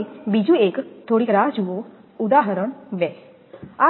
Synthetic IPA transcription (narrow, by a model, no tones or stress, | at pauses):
bid͡ʒũːeːkt̪ʰoːɽiːkɾaːd͡ʒuoː | ʊd̪aːɦəɾəɳʋɛː | a